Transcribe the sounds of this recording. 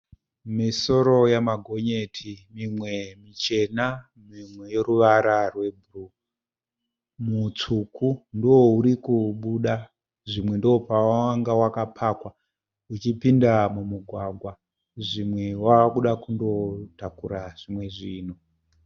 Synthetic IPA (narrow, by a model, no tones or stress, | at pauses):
miso̞ɾo̞jamaɡʱo̞ɲe̞tʰimimwe̞mit͡ʃe̞na | mimwe̞je̞ɾuʋaɾarwe̞bʱuru | mut͡sukʰundwouɾikuɓuɗa | ʐimwe̞ndoopaaŋɡawakapʰakwa | ut͡ʃipindamumuɡʱwaɡʱwa | ʐimwe̞wakuɗakundo̞takuɾaʐ̥imwe̞ʐiːno